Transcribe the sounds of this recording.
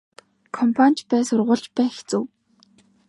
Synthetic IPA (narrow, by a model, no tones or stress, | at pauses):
kʰɔmpʰanʲt͡ɕpæːsʊrʁʊ̆ːɮt͡ɕpæːxe̥t͡sŭw